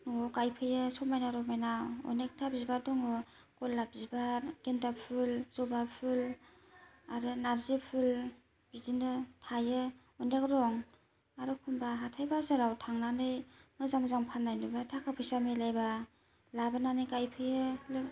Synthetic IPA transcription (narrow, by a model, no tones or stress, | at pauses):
nɔŋɔkajpʰɯjɯsɔmajnaɾɔmajnaɔ̰nek̚tʰabzibadɔŋɔ | kɔlːap̚zibaɡentapʰulz̥ɔbapʰul | aɾɯnaɾzipʰul | b̥izinɯtʰajɯ | ɔnek̚ɾɔŋ | aɾɯkʰumbaɦatʰajbazɯɾawtʰaŋnanɯjmɯzamzaŋpʰanːajnɯbatʰakʰapʰɯjsamilajba | labananɯjkajpʰɯjɯlɯ